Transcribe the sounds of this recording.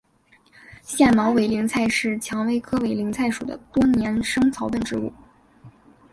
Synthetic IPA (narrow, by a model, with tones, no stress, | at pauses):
ɕjɛ˥˩nmɑ˧˥ʊwe˧˥ɪli˧˥ŋt͡sʰa˥˧ɪʂɻ̩˥˩t͡ɕʰjɑ˧˥ŋwe˧˥ɪkʰɤ˥we˧˥˩ɪli˧˥ŋt͡sʰa˥˩ɪʂṵ˨˩d̪ə̰˦t̪wɔ˥njɛ˧˥nʂɤ˥ŋt͡sʰɑ˧˥ʊpə˥˩nʈ͡ʂɻ̩˧˥ṵ˥˩